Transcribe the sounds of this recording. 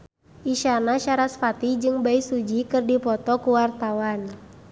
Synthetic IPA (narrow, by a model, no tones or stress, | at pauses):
ʔiʃanaʃaɾasfat̪id͡ʒɨŋbaisud͡ʒikɨrdipɔt̪ɔkuwart̪awan